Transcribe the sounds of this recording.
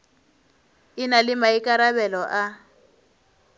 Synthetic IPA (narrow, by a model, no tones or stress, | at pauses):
ɪnalɪmaikʼaɾabɛlɔʔa